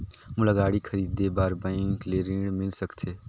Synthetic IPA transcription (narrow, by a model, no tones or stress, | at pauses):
mʊləɡaːɽiːkʰəɾiːd̪ːeːbaːɾbãɪŋkleːɾĩɽmɪlsəkt̪ʰeː